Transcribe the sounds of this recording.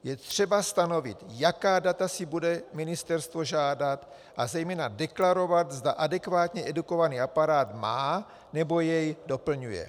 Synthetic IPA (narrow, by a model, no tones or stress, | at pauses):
jɛt̪r̝̥ɛbast̪ano̞vɪ̰t̪jakaːdat̪asɪbudɛmɪnɪst̪ɛɾst̪vo̞ʒaːdat̪ | ʔazɛjmɛːnadɛklaɾo̞vat̪zdaʔadɛkvaːt̪ɲɛʔɛduko̞vaniːapaɾaːt̪maː | nɛbo̞jɛjdo̞pl̩ɲujɛ̰